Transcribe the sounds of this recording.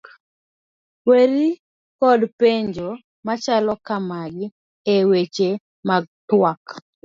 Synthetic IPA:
weɾi | kɔdpeɲd͡ʒo | mat͡ʃalɔkamaɡɪ | ewet͡ʃe | maɡ̚twak

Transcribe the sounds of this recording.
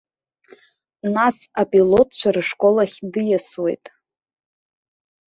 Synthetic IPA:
nas | apʼilo̞tʼʰt͡ʃʷʰarɨʂkʼo̞laχʲdɨjaswḛjtʼ

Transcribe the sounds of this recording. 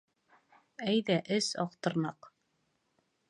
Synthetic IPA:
æjðæʔɘsɑ̰qt̪ɤ̆ɾnɑq

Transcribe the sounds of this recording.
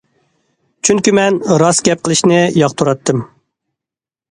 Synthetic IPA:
t͡ʃʰyŋkʲimɛnɾɑsɡʲɛp̚qʰəlˠɪʃnɪjɑqt̪ʰuɾɑt̪ʰːɨm

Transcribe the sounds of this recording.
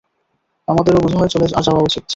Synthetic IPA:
amad̪eɾobud͡ʑʱaɦɔet͡ɕɔlea̰ʃawaot͡ɕit̪̚t͡ɕʰ

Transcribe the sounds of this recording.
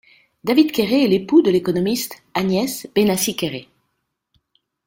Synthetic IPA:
d̪avid̪kʲeʁeɛlepud̪əlekɔnɔmist̪ | anjɛsb̥enasikʲeʁe

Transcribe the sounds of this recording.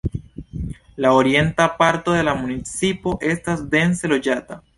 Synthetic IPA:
lao̞ɾie̞ntapaɾto̞de̞lamunit͡sipo̞ʔe̞stasde̞nse̞lo̞d͡ʒata

